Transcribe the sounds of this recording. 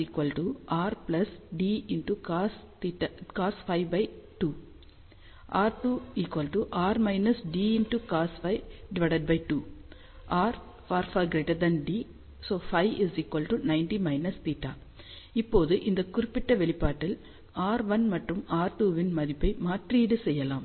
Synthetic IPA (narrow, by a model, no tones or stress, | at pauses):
iːkʋɐlʈuʔaːɾplɐsɖiːɪnʈukaːst̪iʈːakaːsfɐɪʋbɐɪʈuː | ʔaːɾʈuːiːkʋɐlʈuʔaːɾmɐɪnɐsɖiːɪnʈukaːsfɐɪɖɪʋɐɽɐɖ̚bɐɪʈuː | ʔaːɾ | faːɾfaːɾɡɾeːʈɐɾd̪ɐnɖiː | soːfɐɪʋɪziːkʋɐlɖʈunɐɪnʈimɐɪnɐst̪iːʈːa̰ː | ɪpːoːðɯʔɪnd̪ɐkʊɾɪpːɪʈːɐʋɛɭɪpːaːʈːɪl | aːɾʋɐnmɐʈrɯmaːɾʈuːʋɪnmɐðɪpːɐɪmaːʈriːɽɯsɛjːɐlaːm